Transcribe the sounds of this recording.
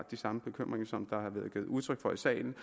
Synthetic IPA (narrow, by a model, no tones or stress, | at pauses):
d̥isɑ̈məb̥e̝kʰøm̰ʁeŋɐsɒ̽md̥ɑ̈hɑɐʋæːðˠɡ̥eːð̩ˠuð̞ˠt͡sʰʁœɡ̥fɒ̽isɛ̰ːɪln̩